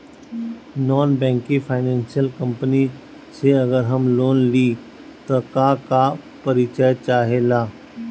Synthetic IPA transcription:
nɔːnbɛ̃ːŋkifʰaːɪnɛ̃ːnsijəlkə̃mpəni | seɐɡəɾɦɐmloːnliː | t̪okakapɐɾɪt͡ʃəjt͡ʃaːɦelaː

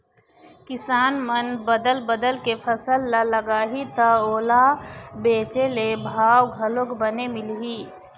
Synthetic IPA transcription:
kɪsaːnmənbəd̪əlbəd̪əlkepʰəsəlːaləɡaːɦit̪əoːlabeːt͡ʃelebʱaːwɡʱəlokbənemɪlɦiː

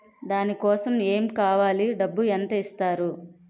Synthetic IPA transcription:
d̪aːnikɔːsɐme̞ːmkaːʋaːliɖɐbːuɐnt̪ɐist̪aːɾu

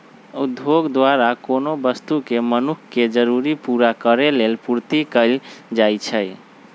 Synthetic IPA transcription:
ud̪ʱoɡd̪waɾakonobəst̪ukemənukʰked͡ʒəɾuɾipuɾakəɾelelpuɾt̪ikəɪld͡ʒajt͡ʃʰəj

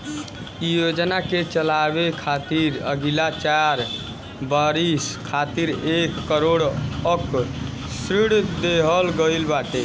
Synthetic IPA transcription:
jod͡ʒnaket͡ʃəlabekʰat̪iɾə̰ɡilat͡ʃaɾ | baɾiskʰat̪iɾekːəɾoɽək | sɾiɽd̪eɦəlɡəjlbaʈe

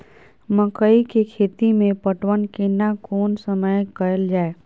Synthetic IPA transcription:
məkəikekʰeːt̪imẽpəʈwənkenakoːnsəməjkəɾəld͡ʒaːe

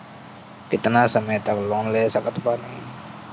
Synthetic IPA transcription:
kɪt̪nasəməjt̪əklɔnlesakət̪pani

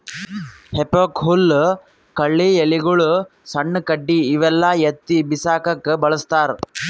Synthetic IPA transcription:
hepoːkɦul | kɐɭːiːjeliɡɐɭu | sɐɳːɐkɐɖːiːʋɛlːajet̪ːibisaːkɐkːbɐɭɐst̪aːɾ

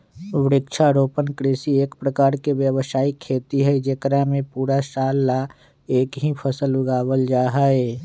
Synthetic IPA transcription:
ʋɪɾɪkt͡ʃʰaɾoːpənkɾɪːsieːkpɾəkaːɾkeʋjəwəsaːikʰːeːt̪iɦɛd͡ʒekɾamẽpuːɾaʃaːlːa | eːkɦipʰəsəlʊɡaːwəld͡ʒaːɦaeː

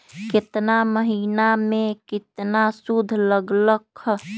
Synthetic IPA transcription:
kɪt̪naməɦinamẽkit̪nasud̪ʱləɡləkʰː

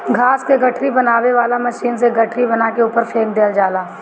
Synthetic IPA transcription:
ɡʱaːskeɡɐʈʰɾibɐnaːʋeʋaːlamɐʃiːnseɡɐʈʰɾibɐnaːkeuːpəɾfʰeːmd̪eːld͡ʒaːlaː

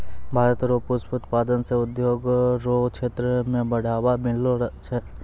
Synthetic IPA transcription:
bʱaːɾət̪ɾoːpuspʊt̪paːd̪ənseʊd̪joːɡɾokt͡ʃʰeːt̪ɾəmẽbɐɽ̤aːʋamɪlot͡ʃʰɛ

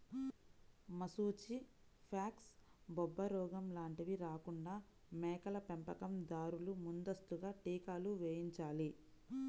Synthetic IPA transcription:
mɐsuːt͡ʃi | pʰaːksbɔbːɐɾɔːɡɐmlaːɳʈiʋiɾaːkuɳɖaː | mɛːkɐlɐpempɐkɐmd̪aːɾulumund̪ɐst̪uɡaːʈiːkaːluʋeːjiɲt͡ʃaːli

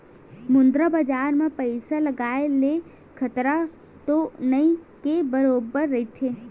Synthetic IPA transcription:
mʊ̃nd̪ɾabad͡ʒaːɾmẽpəɪsalɐɡaːele | kʰɐt̪ɾa | t̪onɐĩkebəɾoːbəɾːɐit̪ʰeː

